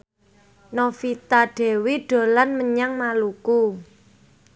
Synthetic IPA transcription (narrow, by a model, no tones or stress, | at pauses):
nofit̪aɖ̥e̤wiɖ̥o̤lanməɲaŋmaluku